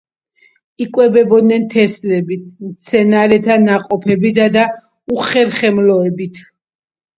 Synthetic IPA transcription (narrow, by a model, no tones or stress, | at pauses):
ikʼwɛbɛbɔd̪̚nɛnt̪ʰɛslɛbit̪ʰmt̪sʰɛnaɾɛt̪ʰanaqʼɔpʰɛbit̪ʰad̪a | uχɛɾχɛmlɔɛbit̪ʰ